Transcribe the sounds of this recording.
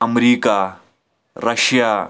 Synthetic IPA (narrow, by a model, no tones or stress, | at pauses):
ɐmɾiːka | ɾɐɕjaː